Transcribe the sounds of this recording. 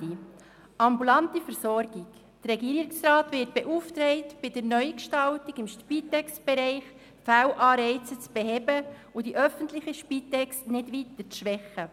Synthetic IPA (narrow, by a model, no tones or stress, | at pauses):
i | ɑmbulɑntifəɾsɔɾɡik | d̥ərɾɛɡiːəɾɪksɾɑːtʋɪːt̚b̥ɛʔuft̪ɾɛɪtb̥ɪdəɾnœʏkʃtɑltiɡɪmʃpiːtɛkst̚b̥ɛɾɛɪχ | fælʔɑːɾɛɪt͡sət͡sb̥ɛɦɛbə | ʊdiʔœfəntlɪχiʃpiːtɛkstnɪdʋit̪ət͡sʃʋɛχə